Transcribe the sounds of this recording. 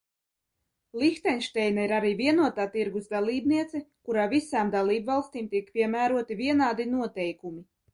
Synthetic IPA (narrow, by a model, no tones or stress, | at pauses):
lʲˠixt̪ɛnʲʃt̪ɛjnaiɾaɾiːvʲiɛnuɔt̪aːt̪iɾɡuzd̪alˠiːbniɛt̪sɛkuɾaːvisaːmd̪alˠiːbvɑlˠst̪iːmt̪iɛkpʲiɛmæːɾuɔt̪ivʲiɛnaːd̪inuɔt̪ɛjkumi